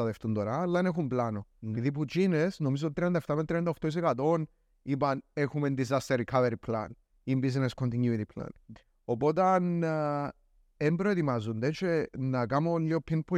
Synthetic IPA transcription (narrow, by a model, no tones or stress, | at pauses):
ɐðeft̪und̪oɾaːlːɐenexumblanoniðip̬ud͡ʒinesnomiz̬ot̪it̪ɾiɐnd̪ɐeft̪ɐmet̪ɾiɐnd̪ɐoxt̪ois̬ekɐt̪o̞n | ipɐnexumend̪izɐst̪eɾikʰɐveɾipʰla̰n | imbizneskont̪iɲjuit̪ipʰla̰n | opo̞t̪ɐn | embɾoet̪imazund̪et͡ʃenɐkamonʎiopʰːinpʰu